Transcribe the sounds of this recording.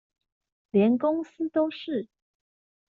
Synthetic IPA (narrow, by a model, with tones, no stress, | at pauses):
ljɛ˧˥nkʊ˥ŋs̩˥t̪o˥ʊʂɻ̩˥˩